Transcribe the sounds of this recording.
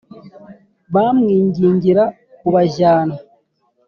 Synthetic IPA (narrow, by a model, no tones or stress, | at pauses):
βamwiːɲɟiːɲɟiɾa | kuβaʒaːna